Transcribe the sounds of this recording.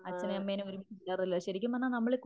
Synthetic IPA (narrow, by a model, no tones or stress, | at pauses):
ɐt͡ɕːɐneɐmːejneoɾumiilːaːrɐlːɐɕɐɾikʲːumɐnːanɐmːɐɭek